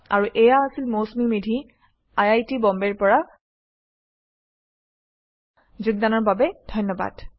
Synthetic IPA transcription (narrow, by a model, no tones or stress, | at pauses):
a̰ɹuʔɛjaasilmosmimidʱi | ajajtibɔmbɛɹpɔɹa | zuɡ̚danɔɹbabɛd̥ʱɔjnːɔba̰d̥